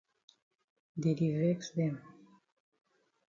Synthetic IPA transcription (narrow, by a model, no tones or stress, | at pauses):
d̪iɾiveksd̪em